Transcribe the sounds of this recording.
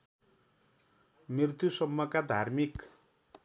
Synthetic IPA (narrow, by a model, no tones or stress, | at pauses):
mirt̪jusʌmːʌkad̪ʱarmik